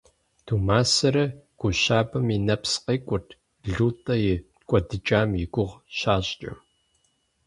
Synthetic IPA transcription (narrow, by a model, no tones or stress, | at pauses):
d̥ʰuːmaːsɐɾɐɡ̥ʷʊʃaːbɐminɐpsqeːkʷʼʊrtʰ | ɮuːtʼɐjɪ | kʷʼɔdɨt͡ʃʼaːmjɪɡʷʊʁɕaːɕʼt͡ʃʼɐ̰m